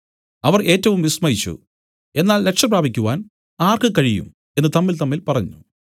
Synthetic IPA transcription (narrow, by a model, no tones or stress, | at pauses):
ɐʋɐre̞ːtːɐʋumʋismɐjit͡ɕːṵ | e̞nːaːlːe̞kʂɐpraːbʱikʲːuʋaːn | aːrkɨkɐɻijṵm | e̞nːɨt̪ɐmːilt̪ɐmːilpɐrɐɲːṵ